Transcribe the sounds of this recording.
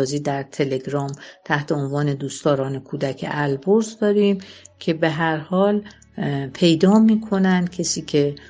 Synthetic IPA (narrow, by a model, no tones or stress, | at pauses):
ziːd̪æɾt̪ʰe̞le̞ɡɾɒːmt̪ʰæht̪ʰe̞onvɒːne̞d̪uːst̪ɒːɾɒːne̞kʰuːd̪æcʰḛʔælboɾzd̪ɒːɾiːmcʰe̞be̞ɦæɾhɒːl | pʰe̞jd̪ɒːmiːkʰo̞nænd̪̥̚cʲʰesiːcʰe̞